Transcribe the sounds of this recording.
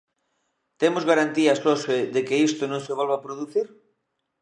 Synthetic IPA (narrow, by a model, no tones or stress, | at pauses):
t̪emozɣaɾant̪iasloseðekeist̪onõŋseβolβapɾoðuθiɾ